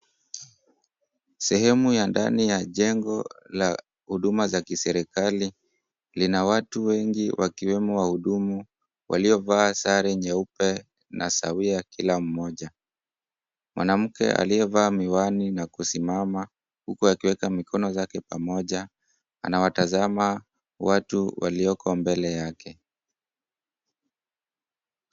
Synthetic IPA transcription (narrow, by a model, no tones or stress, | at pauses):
sɛhɛmujanda̰nijaʄɛŋɡɔla | huɗumazakisɛɾikali | linawatuwɛŋɡiwʔakiwɛmɔwahuɗumu | wʔa̰liɔvaːsaɾɛɲaupɛ | nʔa̰sa̰wiakilam̩mɔʄa | mwʔanam̩kɛ̰ʔa̰liɛvaːmiwaninakusimama | hukuakiwɛkamikʰɔnɔzakɛpamɔʄa | a̰nawatazama | watuwa̰liɔkʰɔmbɛlɛjakɛ